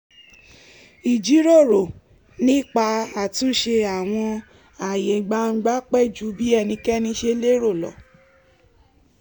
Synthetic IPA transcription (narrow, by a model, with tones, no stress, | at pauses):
i˨d͡ʒi˨˦ɾo˦˨ɾo˨ | nĩ˦˨k͡pa˧a˨tũ˦ʃe˧a˨w̃ɔ̃˧ | a˨je˨ɡ͡ba˦ŋ̩˦ɡ͡ba˦k͡pɛ˦˨d͡ʒu˨˦bi˦ɛ˧˨nĩ˧kɛ˦nĩ˧˦ʃe˧le˦ɾo˦˨lɔ̰˨